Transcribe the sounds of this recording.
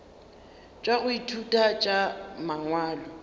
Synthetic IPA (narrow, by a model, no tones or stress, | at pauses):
t͡ʃʼaɣʊitʰutʼat͡ʃʼamaŋwaːlɔ